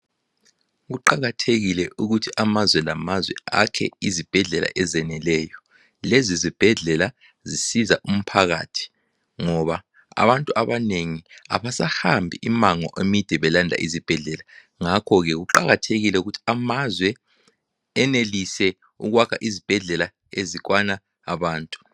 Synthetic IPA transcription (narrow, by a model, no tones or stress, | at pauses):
ɣuǃaɣatʰeɣilɛʔuɣutʰiʔamazwɛlamazwɛ̰a̰kʰɛ̰izib̥ʱɛɮɛla̰ʔɛzɛnɛlɛjɔ | lɛzizib̥ʱɛɮɛla | zisizaʔum̩pʰaɣa̰ːtʰi̥ | ŋɔβa | a̰βantʼuʔaβaneŋia̰βasahambʱiʔimaŋɔ̰ʔemid̥ʱɛβɛlandʱa̰ʔizib̥ʱɛɮɛla | ŋakʰɔɣɛɣuǃaɣatʰeɣilɛuɣutʰi̥amazwɛ | ɛnelisɛ | uɣwakʰaʔizib̥ʱɛɮɛla | eziɣwanaː | βaːntʼu̥